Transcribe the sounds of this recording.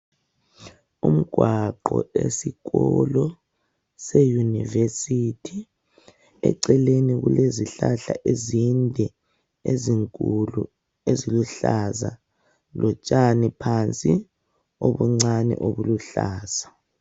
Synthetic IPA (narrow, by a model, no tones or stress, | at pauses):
um̩ɡ̥ʱwaǃɔ̰esiɣɔlɔ | sejunivesitʰi | ɛ̰ǀɛleniɣuleziɬaɬaʔezindʱɛ | eziŋkʼulu | eziluɬaza̰ | lʔɔt͡ʃʼanipʰant͡sʼi | oβuŋ͡ǀanɛ̰ʔoβuluɬaːz̥a